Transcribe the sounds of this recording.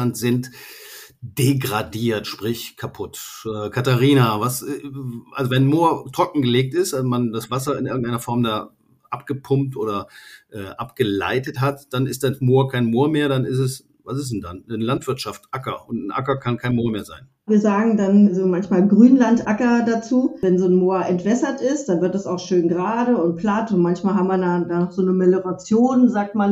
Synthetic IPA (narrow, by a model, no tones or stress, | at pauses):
antz̥ɪnt | d̥eɡʁadiːɐtʃpʁ̥ɪçkʰapʰʊtʔɛːkʰataʁiːnavas | ʔa̰lzovɛnmoːɐtʁ̥ɔkŋ̩ɡəleːk̚tɪstʔamandasv̥asɐɪnʔɪɐɡŋ̩tʔaɪnɐfɔɐmdaː | ʔapɡ̥əpʰʊmtʔoːɾɐʔɛːʔapɡ̥əla̰ɪtətɦatd̥anɪstd̥asmoːɐkʰaɪnmoːɐmeːɐdanɪsɛs | vas̬ɪs̬n̩da̰nəlantv̥ɪɐtʃaftʔakɐ̰ʔʊntn̩ʔa̰kɐkʰankʰaɪnmoːɐmeːɐza̰ɪn | viːɐzaːɡŋ̩danzomançmaːlɡʁyːnlantʔakɐdat͡suːvɛnzoːnmoːɐʔɛntv̥ɛsɐtɪst̚d̥anvɪɐt̚d̥asaʊxʃøːnɡʁaːdəʊntplatʊntmançmaːlɦamvaɐdadanɔχz̥oːnəmɛləʁat͡sjoːnzaːk̚tman